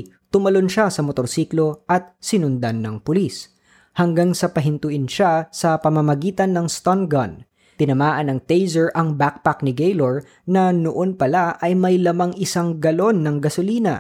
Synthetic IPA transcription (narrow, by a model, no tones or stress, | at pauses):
t̪ʊmɐlonʃasɐmot̪oɾsiːklo̞ʔɐt̪̚sɪnʊnd̪anːɐŋpʊlis | hɐŋɡaŋsɐpɐɦɪnt̪ʊʔɪnʃasɐpɐmɐmɐɡiːt̪ɐnːɐŋst̪onɡɐn | t̪ɪnɐmaːʔɐnːɐŋt̪ejzɛɹʔɐŋbak̚pak̚nɪɡejloɹ | nɐnoʔo̞npɐlaɐjmɐjlɐmaŋʔɪsaŋɡɐlo̞nːɐŋɡɐsʊliːnɐ̰